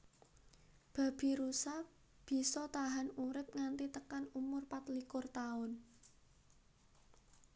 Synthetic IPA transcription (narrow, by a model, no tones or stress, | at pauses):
b̥a̤b̥i̤ɾusa | b̥i̤sɔt̪aɦanuɾɪp̚ŋant̪it̪əkanumʊrpat̪likʊrt̪aʊn